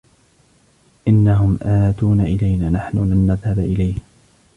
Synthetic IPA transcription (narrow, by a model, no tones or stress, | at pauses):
ʔɪnːaɦʊmʔaːt̪uːnaʔɪlajnaːnaħnʊlanːaðhabaʔɪlajh